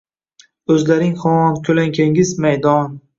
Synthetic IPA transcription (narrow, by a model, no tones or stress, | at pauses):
ɵzlaɾɪŋχɒnkʲʰɵlaŋkʲʰaŋʲɪzmajd̪ɒn